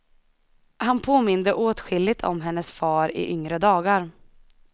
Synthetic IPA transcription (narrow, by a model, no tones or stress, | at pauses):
hanpʰoːmɪnd̪əʔoːt̪ɧɪlːɪt̪ʰɔ̰mɦɛnːəsfɑːɾɪ̰ʔʏŋɾəd̪ɑːɡaɾ